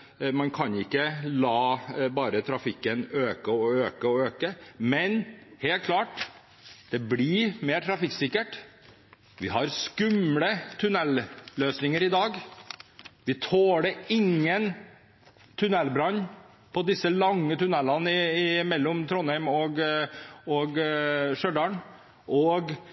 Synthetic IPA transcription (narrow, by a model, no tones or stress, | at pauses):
mɑnkʰɑnɪkːəlɑːbɑːɾət̪ʰɾɑfɪkːənøːkəɔøːkəɔøːkəmɛnheːlkʰlɑːʈ | d̪̥ɛblɪmeːɾʈʰɾɑfɪkːsɪkːəʈ | ʋɪɦɑɾskʉmlət̪ʰʉnɛlløːsnɪŋəɾɪd̪ɑːɡ | ʋɪt̪ʰoːɽəɪŋːən | t̪ʰʉnɛlbɾɑɲː | pʰɔd̪ɪsːəlɑŋːət̪ʰʉnɛlːɑnɪɪmɛlːɔmt̪ʰɾɔnhæɪmɔɡ | ɔɡʂœd̪ɑɳ | ʔɔɡ